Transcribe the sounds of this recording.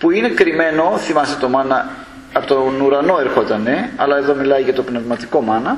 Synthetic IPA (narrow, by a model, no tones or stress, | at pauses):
puine̞kɾime̞no̞θimɐst̪et̪o̞mɐnɐ | ɐpot̪onuɾɐno̞e̞ɾxo̞t̪ɐneɐlɐe̞ðo̞milɐjʝɐt̪o̞pnevmɐt̪iko̞mɐnɐ